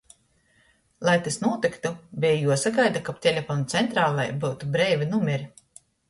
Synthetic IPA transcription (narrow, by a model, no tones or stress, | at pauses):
lˠajt̪isnuɔt̪ikt̪ubʲɛjjuɔsaɡajd̪akap̚t̪ʲɛlʲapant̪sɛnt̪ɾaːlˠajbuwt̪ubɾɛːvʲinumʲɛɾʲi